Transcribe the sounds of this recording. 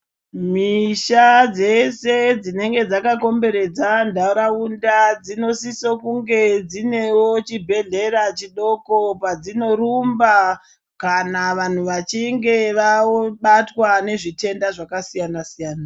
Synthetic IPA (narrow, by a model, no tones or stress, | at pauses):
miʃad͡ze̞se̞d͡zine̞ŋɡe̞d͡zakako̞mbe̞ɾe̞d͡zandaɾaundad͡zino̞sisokuŋɡe̞d͡zine̞wot͡ʃibʱe̞ɮe̞rat͡ʃiɗo̞ko̞pad͡zino̞rumba | kanaʋan̤uʋat͡ʃiŋɡe̞ʋaoɓatwane̞ʐite̞ndaʐakasijanasijaːna